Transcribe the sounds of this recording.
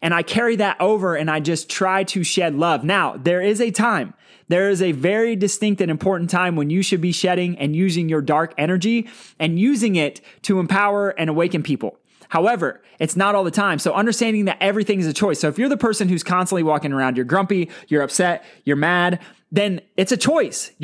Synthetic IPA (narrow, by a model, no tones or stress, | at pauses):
ʔɨ̃ɾ̃aɪkʰɛɹiðɨɾʔoʊvə˞ɨ̃naɪd͡ʒʌstʰɹ̥aɪɾɨʃɛdˡlʌvnaʊðə˞ɪzɨtʰãɪ̃m | ðə˞ɪzɨvɛɹidɨstɪ̃ŋk̚tɨ̃ñɨ̃mpʰɔɹʔn̩tʰãɪ̃mwə̃njɨʃɨd̚biʃɛɾɪ̃ŋɨ̃njʉzɪ̃ŋjə˞dɑɹkɛɾ̃ə˞d͡ʒiɨ̃njʉzɪ̃ŋɪtʰɨə̃mpʰaʊə˞ʔɨ̃ɾ̃əweɪkɨ̃npʰipl̩ˠ | haʊɛvə̰˞ | ɨtsnəɾɔlˠðətʰãɪ̃msoʊʔʌ̃ndə˞stæ̃ndɪ̃ŋðɨɾʔɛvɹiθɪ̃ŋɨzɨt͡ʃʰɔɪsoʊɨfjə˞ðəpʰɜ˞sɨ̃nhʉz̥kʰɑ̃nstə̃n̩ʔliwɔkɪ̃ŋə˞ãʊ̃ndjə˞ɡɹʌ̃mpijə˞ʌpsɛt̚jə˞mæd̚ | ðɨ̃nɨtsɨt͡ʃʰɔɪs